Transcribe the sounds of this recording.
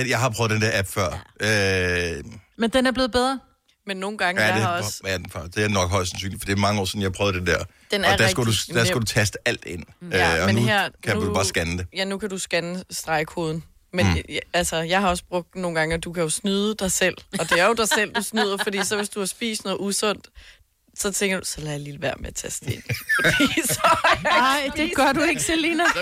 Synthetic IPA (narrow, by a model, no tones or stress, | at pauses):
ejɑ̈ɪhɑ̈pʰʁœð̩ˠd̥end̥eɐʔæb̥fɶɐ̰ø | mend̥enæɐb̥le̝ːð̩ˠbeð̞ˠʁɐ | menːo̝ːn̩ɡ̥ɑ̈ŋədeɒsæfd̥eɐnɒ̽ɡ̥ɦɒ̽ɪ̰lsænsy̰ːnli̥fɒ̽d̥e̝imɑ̈ŋəɒ̰ːsɔ̽n̩jɑhpʰœʊð̩ˠdend̥eɐ | d̥enɒɐd̥æɐsɡædud̥æɐsɡ̥æd̥ut͡sʰæsd̥əʔæl̰d̥e̝n̰øɒnuheɐ̰kʰæuubɑ̈sɡ̥ænd̥e̝jænukʰæd̥usɡ̥ænəsd̥ʁɑ̈ɪkʰo̝ːðˠn̩ | meælsɐjɑ̈ɪhɑ̈ɒ̽sb̥ʁɔ̽ɡ̥̚d̥no̝ːn̩ɡ̥ɑ̈ŋəɒd̥ukʰæjo̝snyðˠəd̥ɑ̈ɪsel̰ɒ̽d̥e̝æɐjo̝d̥ɑ̈ɪsel̰d̥usnyðˠɐfɒd̥ḭːsɒ̽ʋe̝sd̥uɑsb̥ḭːsnɔ̽ːð̩ˠusɔ̽n̰d̥ | sɒ̽t͡sʰeŋ̰ɡ̥ɐd̥usɒ̽læjaliləʋæɐ̰meæt͡sʰæsd̥ee̝n̰ʰo̥isɒɪd̥eɡ̥ɶɐdueɡ̥selinɐ